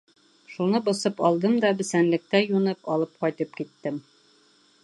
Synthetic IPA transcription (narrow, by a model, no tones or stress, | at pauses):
ʃunɤbŏsɤpɒlˠd̪ɤmd̪ɒbɘ̆sænlɘ̆k̚t̪æjunɤpɒlˠɤp̚qɒjt̪ɤp̚kit̪ːɘm